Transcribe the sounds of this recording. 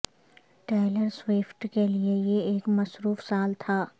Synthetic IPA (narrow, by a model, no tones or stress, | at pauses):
ʈɛːləɾswɪːfʈkeliejeeːkmɐsɾuːfsaːlt̪ʰaː